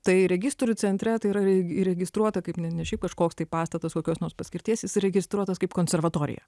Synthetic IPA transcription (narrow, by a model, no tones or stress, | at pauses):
t̪ɐɪɾʲɛɡʲɪst̪oɾʲʊt͡sʲɛnʲt̪ʲɾʲɛt̪ɐɪiɾɐɾʲɛiɾʲɛɡʲɪst̪ɾuɔt̪ɐkɐɪpnʲɛnʲɛʃʲɛɪp̚kɐʃkoːkst̪ɐɪpɑːst̪ɐt̪ɐskoːkʲoːsnoːrspɐsʲkʲɪɾʲt̪ʲiɛsjɪsɾʲɛɡʲɪst̪ɾuɔt̪ɐskɐɪpkoːnʲsʲɛɾʋɐt̪oːɾʲɪ̰jɛ̰